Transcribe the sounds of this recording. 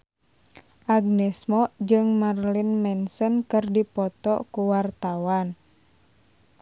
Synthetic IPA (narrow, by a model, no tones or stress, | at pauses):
ʔaɡ̚nɛsmɔd͡ʒɨŋmarlinmɛnsənkɨrdipɔt̪ɔkuwart̪awan